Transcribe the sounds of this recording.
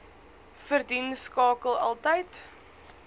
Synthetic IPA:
fərdinskɑːkəlˠɐ̰lˠtəjt

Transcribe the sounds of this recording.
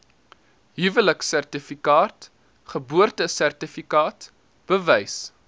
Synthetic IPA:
ɦivələksærtifikɑːt | χəbuərtəsærtifikɑːt | b̥əvɛjs

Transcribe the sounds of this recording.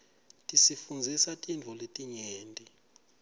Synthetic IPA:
tʼisifund͡zʱisatʼind͡vʱɔletʼiɲeːntʼi

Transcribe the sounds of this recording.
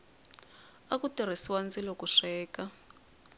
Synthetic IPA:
akutʼir̤isiwand͡zilɔkuʂɛːka

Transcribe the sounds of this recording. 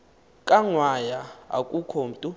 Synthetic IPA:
kʼaŋwajaa̰kʼukʰom̩tʼu

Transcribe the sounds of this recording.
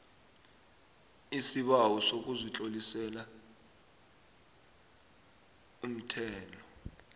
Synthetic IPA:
isiɓawɔsok̬ʼuzit͡ɬʼolisɛla | um̩tʰɛːlɔ

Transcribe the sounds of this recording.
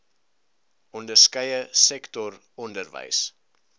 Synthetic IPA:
ɔndərskəjəsɛktɔr | ɔndərvə̰js

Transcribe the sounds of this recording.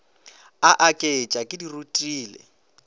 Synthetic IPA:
aʔakʼet͡ʃʼakʼɪdirutʼiːlɛ̰

